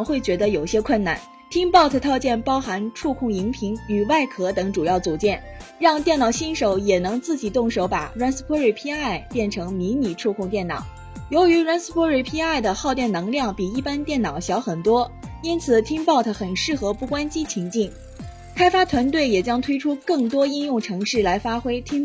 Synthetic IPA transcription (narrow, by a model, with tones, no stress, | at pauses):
xwe˥˩ɪt͡ɕɥɛ˧˥d̪ə˧jo˨˩ʊɕjɛ˥kʰwə˥˩na̰˥˩n | t̪ʰi˥ŋpɑ˥˩ʊt̪ʰə˧˩t̪ʰɑ˥˧ʊt͡ɕjɛ˥˩npɑ˥ʊxa˧˥nʈ͡ʂʰu˥˧kʰʊ˥˩ŋi˧˥ŋpʰi˧˥ŋy˨˩wa˥˩ɪkʰɤ˧˥t̪ɤ˧˥ŋʈ͡ʂu˨˩jɑ˥˩ʊt͡su˨˩t͡ɕjɛ˥˩n | ɻɑ˥˧ŋt̪jɛ˥˩nɑ˨˩ʊɕi˥nʂo˨˧˥ʊjɛ˨˩nɤ˧˥ŋt͡sɹ̩˥˩t͡ɕi˨˩t̪ʊ˥˩ŋʂo˧˥ʊpa˨˩ɻwa˥ns̩˥pʰwɔ˥ɻe˥˩ɪpʰi˥a˥˩ɪpjɛ˥˩nʈ͡ʂʰɤ˧˥ŋmi˧˥ni˨˩ʈ͡ʂʰu˥˧kʰʊ˥˧ŋt̪jɛ˥˩nnɑ̰˨˩˦ʊ | jo˧˥ʊy˧˥ɻwa˥ns̩˥pʰɔ˥ɻe˥˩pʰi˥a˥˩ɪd̪ə˩xɑ˥˧ʊt̪jɛ˥˩nɤ˧˥ŋljɑ˥˩ŋpi˨˩i˥˩pa˥nt̪jɛ˥˩nnɑ˨˩ʊɕjɑ˧˥ʊxə˨˩nt̪wɔ˥i˥nt͡sʰɹ̩˨˩t̪ʰi˥ŋpɑ˥˩ʊt̪ʰə˥˩xə˨˩nʂɻ̩˥˩xɤ˧˥pu˥˩kwa˥nt͡ɕi˥t͡ɕʰi˧˥ŋt͡ɕi˥˩ŋ | kʰa˥ɪfa˥t̪ʰwa˧˥nt̪we˥˩ɪjɛ˨˩t͡ɕjɑ˥ŋt̪ʰwe˥ɪʈ͡ʂʰu˥kɤ˥˩ŋt̪wɔ˥i˥njʊ˥˩ŋʈ͡ʂʰɤ˧˥ŋʂɻ̩˥˩la˧˥ɪfa˥xwe˥ɪt̪ʰi˥ŋ